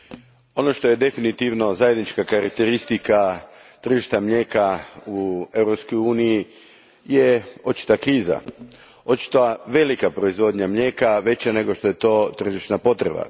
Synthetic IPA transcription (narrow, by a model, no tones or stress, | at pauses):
o̞no̞ʃt̪o̞je̞d̪e̞finit̪iʋno̞zajed̪nit͡ʃkakaɾak̚t̪e̞ɾist̪ika | t̪r̩ʒiʃt̪amʎeːkaue̞ʋɾopskojuːniji | jeo̞t͡ʃi̥t̪akɾiːza̰ | o̞t͡ʃi̥t̪oaʋe̞likapɾo̞izʋo̞d̪ɲamʎe̞ːkaʋe̞t͡ɕane̞ɡoʃt̪o̞jet̪o̞ːt̪r̩ʒiʃnapo̞t̪ɾe̞ba̰